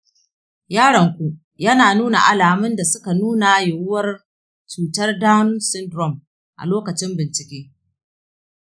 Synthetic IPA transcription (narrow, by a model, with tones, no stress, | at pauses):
jaː˦ɽɐ˨ŋkʷu˦ | jɐ˦naː˨nuː˦na̰˨ʔa˨laː˨mɪ˦nda˨sʊ˦ka˨nuː˦na˨˦jʊ˨wʊ˦wɐ˦r | t͡ʃuː˨tɐ˦rdaː˦n˦nsɪ˦ndɾɔ˦˨m | ʔa̰˨loː˦kɐ˨t͡ʃɪ˦mbɪ˨nt͡ʃɪ˨kʲeː˦